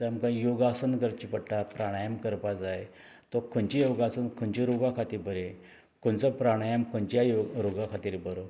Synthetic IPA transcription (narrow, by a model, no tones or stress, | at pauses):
təamkãjoɡasənkəɾt͡ɕipəɽʈapɾaɽ̃ajəmkəɾpad͡zaj | t̪ɔkʰont͡ɕijoɡasənkʰənt͡ɕiɾoɡakʰat̪iːɾbəɾe | kʰont͡sɔpɾaɽ̃ajəmkʰot͡ɕjajoɾoɡakʰat̪iːɾbəɾo